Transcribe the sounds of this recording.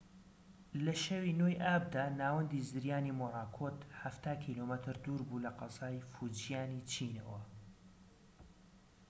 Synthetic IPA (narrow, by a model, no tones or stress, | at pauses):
lɐʃɐwinoːjʔaːb̚d̪aːnaːwɐnd̪izɨɾjaːnimoɾaːkʰoːt̪ħaft̪aːkʰiːlomət̪ʰɨɾd̪uːɾbuːlɐqɑzɑːjfud͡ʒijaːnit͡ʃʰiːnɐ̰wɐ